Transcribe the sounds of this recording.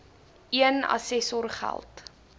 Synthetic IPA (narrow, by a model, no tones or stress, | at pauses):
iənɐ̰sɛsɔrχæ̰lˠt